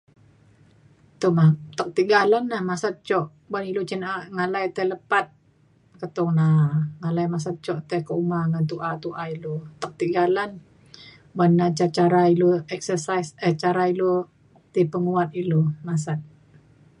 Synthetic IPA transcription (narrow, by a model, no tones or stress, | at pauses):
t̪umat̪ək̚t̪iɡalanːahmasat̪̚t͡ʃɔʔ | banilut͡ʃinaŋalajt̪ələpat̪̚ | kət̪ʊŋnaŋalajmas̬at̪̚t͡ʃɔʔt̪ɛkəumaŋant̪uʔat̪uʔailot̪ək̚t̪iɡalan | banːat͡ʃat͡ʃaɾailuɛksəsajsət͡ʃaɾailo | t̪ipəŋuat̪̚ilomas̬at̪̚